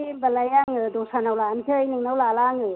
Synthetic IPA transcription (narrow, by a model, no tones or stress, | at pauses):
ibalajaŋɯdɔsanawlankʰɯjnɯŋnawlalaŋɯ